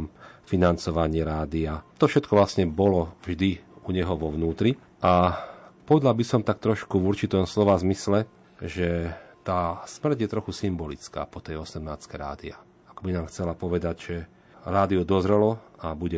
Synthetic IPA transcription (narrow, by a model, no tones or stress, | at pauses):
mfinant͡sɔʋaɲɪɛɾaːd̪iat̪ɔfʃɛt̪̚kɔʋlasɲɛbɔlɔvʒd̪iuɲɛɦɔʋɔʋnuːt̪ɾi | ʔapɔʋɛd̪lalbisɔmt̪ak̚t̪ɾɔʃkuvuɾt͡ʃit̪ɔmslɔʋazmislɛ | ʒɛt̪aːsmr̩ɟjɛt̪ɾɔxusimbɔlit͡ska̰ːpɔt̪ɛjɔsɛmnaːt͡skɛjɾa̰ːd̪ia̰ | akɔbinaːmxt͡sɛlapɔʋɛd̪aɟʒɛ | ɾaːd̪iud̪ɔzɾɛlɔabuɟɛ